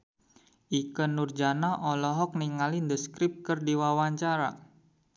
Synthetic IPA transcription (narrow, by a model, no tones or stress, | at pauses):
ʔikənurd͡ʒanaʔɔlɔɦɔk̚niŋalindəskɾɪp̚kərdiwawaɲt͡ʃaɾa̰